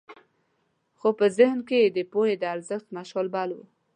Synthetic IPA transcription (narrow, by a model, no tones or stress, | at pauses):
xopəzɪhnkeed̪əpohed̪əaɾzəxt̪maʃəlbɑlwṵ